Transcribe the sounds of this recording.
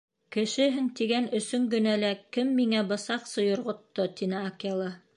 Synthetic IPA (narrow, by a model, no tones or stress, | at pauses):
kɘ̆ʃɘ̆ɦɘŋt̪iɡænɵ̆sɵŋɡɵ̆nælækɘmːiŋæbɤ̆sɑqsɤ̆jŏɾʁŏt̪ːot̪inɘɑkɑlˠɑ